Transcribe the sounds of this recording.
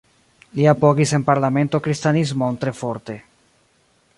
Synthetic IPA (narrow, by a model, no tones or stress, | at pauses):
liapoɡise̞npaɾlame̞ntokɾist̪anizmont̪ɾe̞fo̞ɾt̪e̞